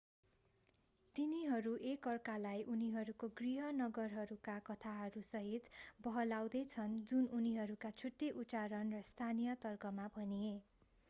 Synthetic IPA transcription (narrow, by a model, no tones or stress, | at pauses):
t̪iniɦʌɾuʔekʌrkalajʔuniɦʌɾukoɡriɦʌnʌɡʌrɦʌɾukakʌt̪ʰaɦʌɾusʌɦit̪bʌɦʌlawd̪ʌjt͡sʰʌnd͡zununiɦʌɾukat͡sʰuʈːeʔut͡saɾʌnrʌst̪ʰanijʌt̪ʌrkʌmabʱʌnie